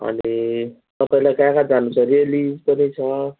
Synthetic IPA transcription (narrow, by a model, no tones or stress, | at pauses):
ɦʌ̰nit̪ʌpaĩlajkãkad͡zanːut͡sʰʌrielid͡zpʌnit͡sʰʌ